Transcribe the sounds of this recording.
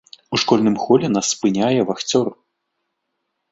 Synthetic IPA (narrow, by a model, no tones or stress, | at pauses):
uʂkɔlʲnɨmxɔlʲɛnasːpɨnʲajɛvaxt͡sʲɔr